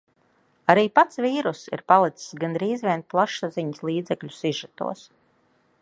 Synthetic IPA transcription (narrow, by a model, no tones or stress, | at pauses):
aɾiːpat̪sviːɾusḭɾpalˠit̪ssɡanɾiːzvʲiɛn̚plˠaʃaziɲislˠiːd̪zɛkʎʲu̥siʒat̪ṵɔs